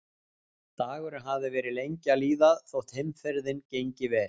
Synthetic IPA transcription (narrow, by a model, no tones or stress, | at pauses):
t̪aːɣʏɾʏɦavðɪvɛːɾɪlejɲcaliːðaðθowht̪hɪmfɛɾðɪncejɲcɪvɛːɾ